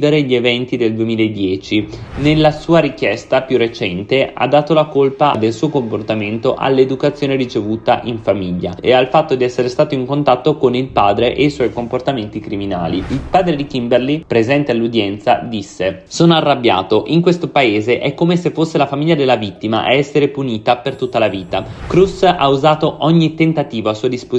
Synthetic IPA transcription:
veɾeʎievɛnt̪id̪eld̪uemiːlaed̪ːjɛːt͡ʃinelːasuːaɾikjɛst̪apjurːet͡ʃɛnt̪ea̰d̪ːaːt̪olakolpad̪elsuːokomport̪ament̪oʔa̰lːed̪ukat̪sːjoːneɾit͡ʃevuːt̪aʔiɱfamiʎːa̰ḛalfat̪ːod̪iɛsːeɾest̪aːt̪oiŋkont̪at̪ːokonilpaːd̪ɾeʔejswɔjkomport̪ament̪ikɾimina̰ːliilpaːd̪ɾed̪ikimbɛrlipɾezɛnt̪ealːud̪jɛnt̪sa̰d̪isːesoːnoarːabːja̰ːt̪oʔiŋkwest̪opaeːzeʔɛkːomesefːosːelafamiʎːad̪elːavit̪ːima̰ʔa̰ɛsːeɾepuniːt̪apert̪ut̪ːalaviːt̪akɾusauzaːt̪oʔɔɲːit̪ent̪at̪iːvoasuːad̪ispo

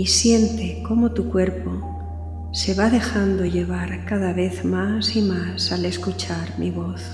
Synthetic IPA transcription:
isje̞nt̪eko̞mo̞t̪ukwe̞ɾpo | se̞βaðe̞xand̪oʎe̞βaɾkaðaβe̞θmasimasale̞skut͡ʃaɾmiβo̞θ

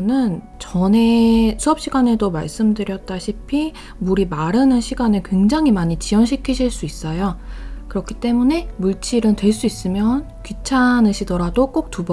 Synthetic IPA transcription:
nɯn | t͡ɕʌne̞sʰuʌp̚ɕ͈iɡane̞doma̰ɭs͈ɯmdɯɾjʌt̚t͈aɕʰipʰi | muɾimaɾɯnɯnɕʰiɡanɯɭkwe̞ŋd͡ʑaŋɦimaɲit͡ɕijʌnɕʰikʰiɕʰiɭs͈uis͈ʌjokɯɾʌkʰi̥t͈e̞mune̞muɭt͡ɕ͈ʰiɾɯntwe̞ɭs͈uis͈ɯmjʌn | kɥit͡ɕʰanɯɕʰidʌɾadok͈ok̚t͈ub

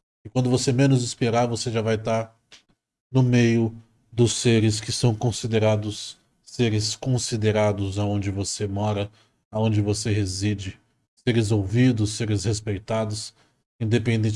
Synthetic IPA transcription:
ɪkwɐ̃nd̪ʊvosemẽnʊzɪspeɾaɾvoseʒavajt̪aɾ | nʊmejʊ | d̪ʊseɾɪs̬kɪsɐ̃w̃kõsid̪eɾad̪ʊsː | eɾɪskõsid̪eɾad̪ʊzaõd͡ʒɪvosemɔɾɐ | aõd͡ʒɪvoseɦezid͡ʒɪ | seɾɪzowvid̪ʊsːeɾɪshespejt̪ad̪ʊs | ẽd̪epẽnd̪ẽ

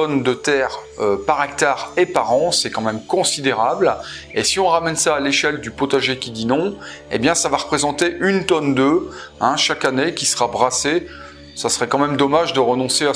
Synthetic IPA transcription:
ɔnd̪ət̪ɛʁ | øpaʁɛk̚t̪aʁepaʁɑ̃sɛkɑ̃mɛmkɔ̃sid̪eʁablesiɔ̃ʁamɛnsaːleʃɛld̪ypɔt̪aʒekʲid̪inɔ̃ | ḛbjɛ̃savaʁəpχezɑ̃t̪eʔynt̪ɔnd̪øɛ̃ʃakanekʲisəʁabʁase | sasəʁɛkɑ̃mɛmd̪ɔmaʒd̪əʁənɔ̃sea

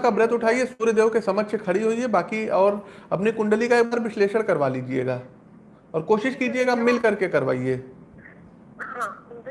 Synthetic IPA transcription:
kabɾɪt̪ʊʈʰaːiesuːɾjd̪eːʋkesɐməʃekʰɐɽiɦoːiebaːkiɔːɾɐpnikʊ̃ɳɖəlikaeːk̚baːɾʋɪʃleːʃəɽkɐɾʋaliːd͡ʒiḛːɡaː | ɔːɾkoːʃɪʃkiːd͡ʒieːɡamɪlkɐɾkekɐɾʋa̰ːieː

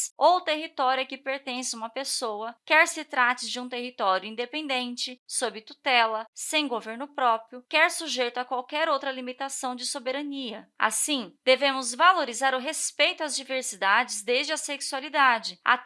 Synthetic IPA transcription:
sowt̪eɦit̪ɔɾjɐkɪpeɾt̪ẽsũmɐpesowɐkɛɾsɪt̪ɾat͡ʃɪd͡ʒɪũt̪eɦit̪ɔɾjʊĩnd̪epẽnd̪ẽnt͡ʃɪsobɪt̪ut̪ɛlɐsẽj̃ɡoveɾnʊpɾɔpɾjʊkɛɾsuʒejt̪ʊɐkwawkɛɾowt̪ɾɐlimit̪asɐ̃w̃d͡ʒɪsobeɾɐniɐa̰sĩd̪̥evẽmʊzvaloɾizaɾʊɦespejt̪ʊazd͡ʒiveɾsid̪ad͡ʒɪzd̪ezd͡ʒɪɐseksualid̪ad͡ʒɪa̰

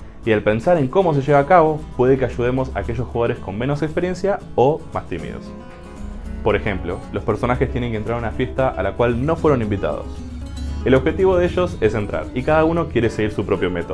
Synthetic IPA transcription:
ialpe̞nsaɾe̞ŋko̞mo̞s̬e̞ʃe̞β̞aːkaβo̞pwe̞ðekeaʒuð̞e̞mo̞sa̰ːke̞ʃosxuɣaðo̞ɾe̞sko̞mmeno̞sekspeɾje̞nsja | omast̪imḭðo̰s | po̞ɾe̞xe̞mplo̞lospeɾso̞naxest̪je̞ne̞ŋkent̪ɾaɾunafje̞st̪aʔa̰lakwalno̞fwe̞ɾo̞nĩmbit̪a̰ð̞o̰s | eloβxe̞t̪iβoðeʃo̞se̞se̞nt̪ɾa̰ɾikaðauno̞kje̞ɾe̞se̞ɣiɾsupɾo̞pjo̞met̪o

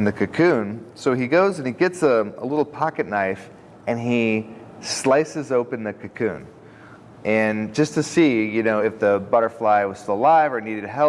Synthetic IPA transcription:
ɨ̃nðɨkʰɨkʰʉ̃nsoʊiɡoʊzɨ̃niɡɛtsəə̰lɪɾl̩ˠpʰɑkɨtⁿnaɪf | ɨ̃nislaɪsɨzoʊpɨ̃nðɨkʰɨkʰʉ̰̃n | ʔɨ̃nd͡ʒʌstʰɨsijɨnoʊɨfðɨbʌɾə˞flaɪwʌz̥stɪlˠlaɪvə˞niɾɨd̚tʰɨɦɛ

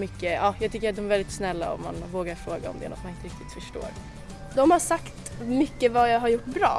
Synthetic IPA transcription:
mʏkːəɑːjɑːɡ̚t̪ʏkːəɾat̪̚d̪ɔmɛɾvɛld̪ɪt̪snɛlːa̰ɔ̰mːa̰nvoːɡaɾfɾoːɡa̰ɔ̰md̪ɛ̰nɔ̰t̪manɪnt̪əɾɪk̚t̪ɪt̪fœʂʈo̰ːɾ | d̪ɔmhaʂakt̪ | mʏkːəvajaɡɦaɾjʊʈːbɾɑ̰ː

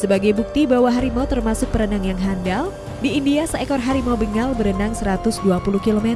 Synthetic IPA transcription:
səbaɡajbuk̚t̪ibawaɦaɾimɔt̪ərmasʊk̚pəɾənaŋjaŋɦandal | diːndiasaekɔrɦaɾimɔbəŋalbəɾənaŋsəɾat̪ʊsduapuluhkilomɛt̪

